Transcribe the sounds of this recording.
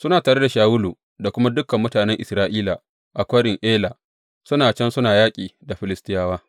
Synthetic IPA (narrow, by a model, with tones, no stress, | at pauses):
sʊ˦naː˨taː˨ɽe˦da˨ʃaː˨wʊ˦luː˨ | da˨kʷʊ˦ma˦dʊ˦kːɐ˨mːʊ˦taː˨nɛ˦ŋʔɪ˨sɾaː˦ʔiː˦la˨ | ʔa˨kʷɐ˦ɽɪ˨ŋʔeː˦la˨ | sʊ˦naː˨t͡ʃɐ˦nsʊ˦naː˨jaː˦kʲʼiː˨da˨ɸɪ˨lɪ˦stɪ˦jaː˦waː˦